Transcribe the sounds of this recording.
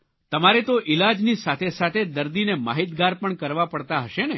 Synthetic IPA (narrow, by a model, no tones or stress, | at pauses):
t̪əmaɾet̪oʔilad͡ʒnisat̪ʰesat̪ʰed̪əɾd̪inema̰ɦit̪ɡaɾpəɳkəɾʋapəɽt̪aɦəʃene